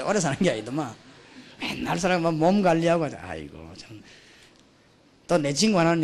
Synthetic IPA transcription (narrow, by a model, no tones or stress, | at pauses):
ɔ̰ɾɛsaɾaŋɡiajd̪ɔma | ɛ̰naɾs̬aɾamamɔmɡalːiaka̰a̰jɡɔ̰t͡ʃʰan | t̪ɔnet͡ʃiŋɡbanan